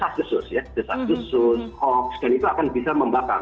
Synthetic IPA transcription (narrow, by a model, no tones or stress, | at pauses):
sasdusʊsjadəsasdusʊskɔksdanit̪uakanbisaməmbaka̰ŋ